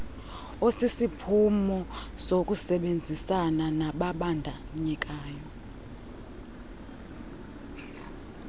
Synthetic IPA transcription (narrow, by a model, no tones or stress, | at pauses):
osisipʰumɔsokʼusɛɓend͡zʱisananaɓaɓandʱa | ɲɛkʼaːjɔ